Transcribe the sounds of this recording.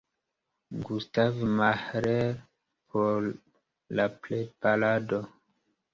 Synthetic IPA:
ɡustavmahɾeɾ | pʰoɾ | laplejpalado

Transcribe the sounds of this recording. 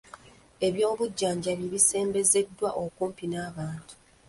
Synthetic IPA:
e̞βjo̞ːβuɟːaːɲɟaβiβise̞ːmbe̞ze̞dːwaʔokuːmpinaːβaːntu̥

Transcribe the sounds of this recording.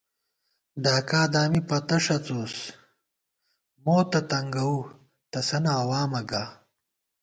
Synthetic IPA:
ɖaːkaːd̪aːmipɐt̪ɐʂɐt͡soːs | moːt̪ɐt̪ɐŋɡɐwu | t̪ɐsɐnɐːwaːmɐɡaː

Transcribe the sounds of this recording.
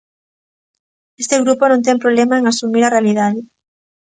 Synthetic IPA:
est̪eɣɾuponõnt̪̬ɛŋpɾoβ̞lemaeŋasumiɾarealiðaðɪ

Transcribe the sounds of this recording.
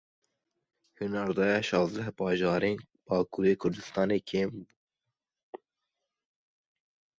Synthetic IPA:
hunɑɾd̪ɑːjɑːʃɑːzd̪ɛhbɑːʒɑːɾeːn | b̥ɑːkuːɾeːkʰʊɾd̪ɨst̪ɑːneːkʰeːmbuː

